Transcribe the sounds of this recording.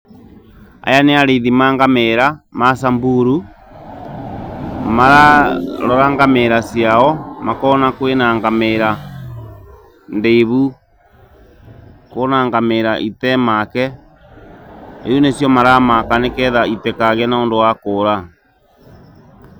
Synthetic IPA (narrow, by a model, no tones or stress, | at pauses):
a̰janeaɾeðimaːŋɡameɾamas̬ambuɾu | maɾaɾɔɾaŋɡameɾasjaɔmakɔnakwenaŋɡameɾa | ndeβu | konaŋɡameɾaʔitɛmakɛ | ḛunesjɔmaɾamakanekɛðaitɛkaɣɛnaondowakoɾa